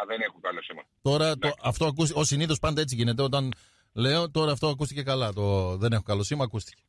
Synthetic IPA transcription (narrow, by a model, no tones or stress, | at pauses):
ɐðenexukɐlosimɐ̰t̪o̞ɾɐt̪oɐft̪oɐkusosiniθo̞spɐnd̪ɐe̞t͡siʝine̞t̪̬e̞o̞t̪ɐn | le̞ot̪o̞ɾɐːft̪o̞ɐkust̪ice̞kɐlɐt̪oðe̞nexokɐlo̞simɐːkust̪i̥ce̥